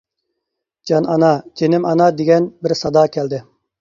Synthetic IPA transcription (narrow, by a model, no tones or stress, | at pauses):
d͡ʒɑnɑnɑd͡ʒenɪmɑnɑd̪eɡʲɛnbɪɾsɑd̪ɑːkʲʰɛld̪ɪ